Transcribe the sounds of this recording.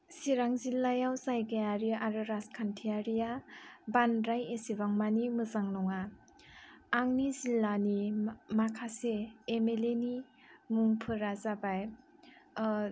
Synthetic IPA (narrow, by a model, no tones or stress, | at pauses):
siɾaŋzilːajawzajɡejaɾiʔaɾɯɾaskʰantʰijaɾijabanɾajesiβaŋmanimɯzaŋlɔŋa | ŋnizilːanimakʰaseːmeleni | muŋpʰɯɾazabaj